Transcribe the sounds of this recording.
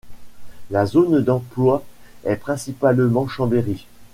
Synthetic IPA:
lazond̪ɑ̃plwa | ɛpχɛ̃sipalmɑ̃ʃɑ̃beʁi

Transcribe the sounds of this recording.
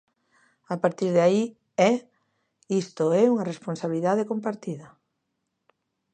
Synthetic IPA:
apaɾt̪iɾðai | ɛ | ist̪oɛuŋɐresponsaβiliðaðekompaɾt̪iðɐ

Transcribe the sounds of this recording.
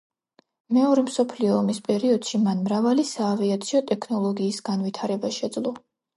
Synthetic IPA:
mɛɔɾɛmsɔpʰliɔːmispʼɛɾiɔd̪̥ʃimanmɾavalisaːviat̪sʰiɔt̪ʼɛkʰnɔlˠɔɡiːsɡ̥anvit̪ʰaɾɛbaʃɛd̪zlˠɔ

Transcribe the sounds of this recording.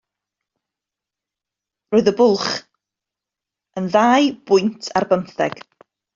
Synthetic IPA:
roːðəbʊlˠχ | ənðaːjbʊjntʰarbəmθɛ̰ɡ̥

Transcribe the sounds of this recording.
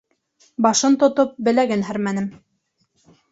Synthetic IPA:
bɑʃɤnt̪ŏt̪op̚bɘ̆læɡɘnɦæɾmænɘm

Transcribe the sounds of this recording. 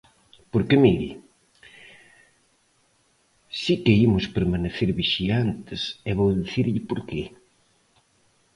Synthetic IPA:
poɾkemiɾi | sikeimʊspeɾmaneθeɾβiʃiant̪ɪsɛβowðiθiɾʎɪpoɾke

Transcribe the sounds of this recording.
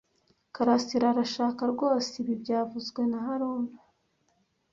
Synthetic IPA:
kaɾasiɾaɾaʃaːkaɾɡo̞ːsiβibɟaːvuzɡwe̞naɦaɾuːna

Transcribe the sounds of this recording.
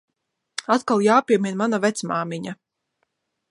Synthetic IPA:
at̪kalˠjaːpʲiɛmʲinmanavɛt̪smaːmiɲa

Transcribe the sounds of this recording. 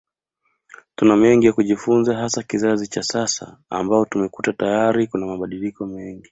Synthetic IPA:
tunamɛŋɡijakuʄifunzaɦasakizazit͡ʃasasa̰a̰mbaɔtumɛkutatajaɾikunamaɓaɗilikɔmɛŋɡi

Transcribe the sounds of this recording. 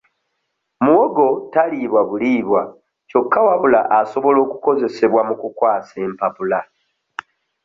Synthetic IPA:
muwoɡo̞taliβwaβuliβwa | co̞kːawaβula̰ʔaso̞βo̞lo̞ːku̥ko̞ze̞se̞βwamukukwaːse̞ːmpapula

